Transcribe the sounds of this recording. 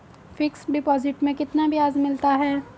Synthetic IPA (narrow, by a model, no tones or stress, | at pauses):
fɪksɖɪpɔːzɪʈmẽkɪt̪nabʱijaːzmɪlt̪aɦɛː